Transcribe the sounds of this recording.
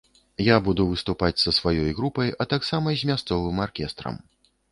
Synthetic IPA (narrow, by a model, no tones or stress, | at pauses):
jabud̪uvɨst̪upat͡sʲsɐsvajɔjɣɾupɐjɐt̪aksamɐzʲmʲast̪sɔvɨmarkʲɛst̪ɾɐ̰m